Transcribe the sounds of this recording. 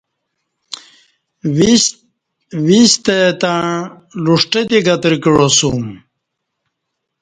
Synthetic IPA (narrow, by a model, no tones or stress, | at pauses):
wist̪et̪a | luʂʈet̪iɡɐt̪ɾkɻosum